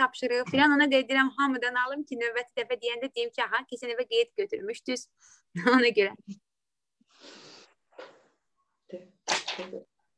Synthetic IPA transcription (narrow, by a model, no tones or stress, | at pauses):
ɑpʃɯɾɯɣɯfilanonɑd̪ed̪iɾæmɦɑmɯd̪ɑnɑlˠɯmcʰinøbæt̪ʰid̪æfæd̪ijænd̪æd̪ijimcʰiɑɦɑcʰesinivæɡejɛt̪̚ɟøt̪ʰyɾmyʃt̪yz̥ | onɑɟøɾæ